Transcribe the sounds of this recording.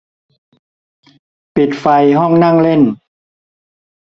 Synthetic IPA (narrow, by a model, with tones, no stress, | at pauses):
pi˨˩t̪̚fa˧jɦɔ˥˩ŋna˥˩ŋle˥˩n